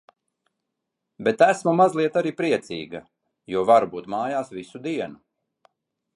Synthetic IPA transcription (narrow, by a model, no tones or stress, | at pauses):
bet̪æsmumazlˠiɛt̪aɾiːpɾiɛt̪sḭːɡɐ̰ | juɔvaɾbuːt̪maːjaːsvisud̪iɛnu